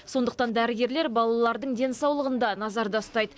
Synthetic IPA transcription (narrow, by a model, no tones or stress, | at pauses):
so̞nd̪əq̚t̪ɑnd̪æɾɪɡʲe̞ɾle̞ɾbɑlˠɑlˠɑɾd̪əɴd̪e̞nsɑwlˠəʁənd̪ɑnɑzɑɾd̪ɑst̪ɑjd̪ə